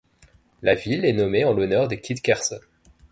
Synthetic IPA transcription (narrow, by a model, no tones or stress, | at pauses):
lavilɛnɔmeɑ̃lɔnœʁd̪ekʲid̪kʲɛʁsɔn